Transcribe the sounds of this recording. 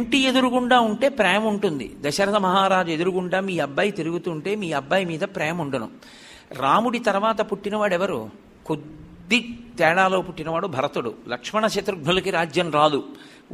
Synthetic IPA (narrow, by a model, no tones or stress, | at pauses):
ɳʈie̞d̪uɾukuɳɖaːuɳʈe̞ːpɾɛːɐmuɳʈund̪ḭd̪ɐʃɐɾɐt̪ɐmɐɦaːɾaːd͡ʒue̞d̪uɾukuɳɖaːmiːɐbːaːjit̪iɾuɡut̪uːɳʈe̞ːmiːɐbʱːaːjimiːd̪ɐpɾɛːɐmuɳɖɐnṵ | ɾaːmuɽit̪ɐɾʋaːt̪ɐpuʈːinɐʋaːɽɛʋɐɾṵ | kud̪ː | it̪ɛːɽaːlo̞ːpuʈːinɐʋaːɽubʱɐɾɐt̪uɽṵlɐkʂmɐɳɐt͡ʃɐt̪ɾuɡɳulɐkiɾaːd͡ʒjɐmɾaːd̪u